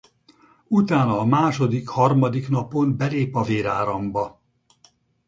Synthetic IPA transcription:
ut̪aːnɒːmaːʃo̞d̪ikhɒrmɒd̪iknɒpo̞mbɛleːpɒveːɾaːɾɒmbɒ

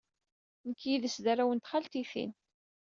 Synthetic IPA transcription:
nəkːjiðəsðæɾawənt̪χalt̪iθḭn

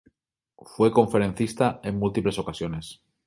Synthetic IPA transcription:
fwe̞ko̞ɱfe̞ɾe̞n̟θist̪ae̞ŋmult̪iple̞so̞kasjo̞ne̞s

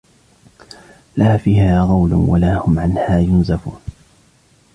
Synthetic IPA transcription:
laːfiːhaːɣɑwlʊwalaːhʊmʕanhaːjʊnzafuːn

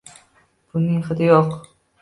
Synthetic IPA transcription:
b̥ʊnɪŋχɨd̪ɪjɒq

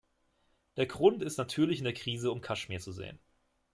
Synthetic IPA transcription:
d̥eːɐɡʁʊntɪstnatʰyːɐlɪçɪndeːɐkʁ̥iːzəʊmkʰaʃmiːɐt͡suzḛːən

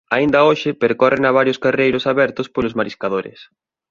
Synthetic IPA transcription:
aind̪ɐoʃɪpeɾkɔrenaβ̞aɾjoskarejɾʊsaβɛɾt̪ʊspolʊzmaɾiskaðoɾɪ̰s

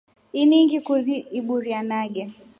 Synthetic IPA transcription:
iniŋɡikuiɓuɾianaɡɛ

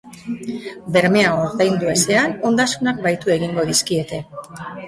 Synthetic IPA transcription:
be̞ɾme̞aoɾðajnd̪uese̞ano̞nd̪asunak̚bajt̪ue̞ɣiŋɡo̞ðiskie̞t̪e̞

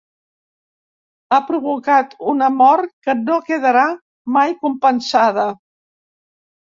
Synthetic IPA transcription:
apɾuβukat̪unəmɔɾkənokəðəɾa | majkumpənsaðə

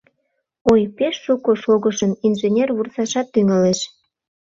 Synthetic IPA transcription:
ojpeʃːukoʃoɣəʃəninʒenʲerβursɑʃɑt̪ːyŋəleʃ

